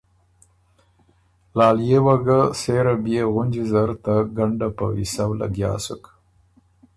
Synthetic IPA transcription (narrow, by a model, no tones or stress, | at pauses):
lɑːljewaɡaseɾabijeɣʊnd͡ʒizaɾt̪aɡaɳɖapa̰wḭsawla̰ɡjɑ̰ːsuk